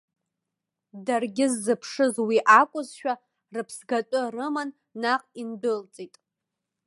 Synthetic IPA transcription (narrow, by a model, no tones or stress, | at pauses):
darɡʲɪzːɨpʰʂɨzwiʔakʷʼʊzʃᶣa | rɨpʰsɡatʷʼʊrɨmanː | aqʼindɨlt͡sʼitʼ